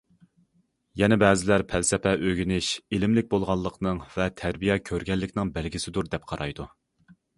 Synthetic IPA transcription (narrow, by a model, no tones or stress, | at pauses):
jɛnɛbɛːzɪlæɾpʰælsɛpʰɛʔøɡʲynɪʃilɪmlɪk̚ʲbolˠʁɑlˠːəqnɨŋvɛt̪ʰæɾbijɛkʲʰøɾɡʲɛlːɪkʲnɪŋbɛlɡʲisɪd̪uɾd̪ɛp̚qʰɑɾʔɑ̰jd̪u